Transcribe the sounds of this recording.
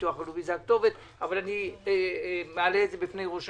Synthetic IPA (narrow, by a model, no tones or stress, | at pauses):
tuaχalubizak̚t̪o̞vet̪ | avalani | mealeːtzebifnejʁoʃ